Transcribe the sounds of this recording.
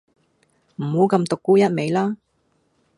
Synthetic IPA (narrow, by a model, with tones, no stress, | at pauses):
m̩˨˩ho˨˧˥kɐ˧mt̪ʊ˨kːuː˥jɐ˥t̚me˨˧jlaː˥